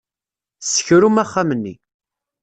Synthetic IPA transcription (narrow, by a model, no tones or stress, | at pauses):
sə̥çɾumæχːamənːi